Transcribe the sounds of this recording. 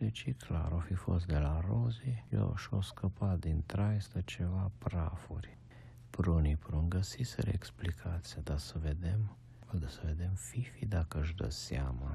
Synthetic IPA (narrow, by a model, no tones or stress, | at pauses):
d̪et͡ʃikʰla̰ɾofifost̪d̪elaɾozijo̰ʃoskəpad̪int̪ɾajst̪ət͡ʃevapɾafuɾʲ | pɾunipɾuŋɡəsisə̰ɾḛksplikʰat̪sijad̪asəved̪em | ald̪asəved̪emfifid̪akəʒd̪ə̰sjama